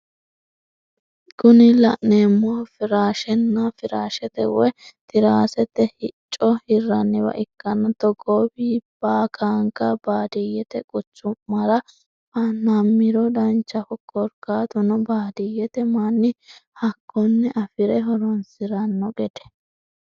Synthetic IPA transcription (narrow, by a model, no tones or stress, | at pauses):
ɡʊnɪlɐʔneːmːɔfɪɾaːʃɛnːɐfɪɾaːʃɛt̪ɛ̰wɔjt̪ɪɾaːsɛt̪ɛhɪt͡ʃʼːɔhɪrːɐnːɪwɐ̰ʔɪkːɐnɐt̪ɔɡoːbiːb̥aːkʰaːŋkɐbaːd̪ɛjɛt̪ɛkʼʊt͡ʃːʊmːɐɾɐ | bɐnːɐmːɪɾɔd̪ɐnt͡ʃːɐfɔkʰɔɾkaːt̪ɔnɔbaːd̪ɛjɛt̪ɛmanːɪhɐkʰːɔnːɛʔɐfɪɾɛɦɔɾɔnsɪɾɐnːɔɡɛd̪̥ɛ̥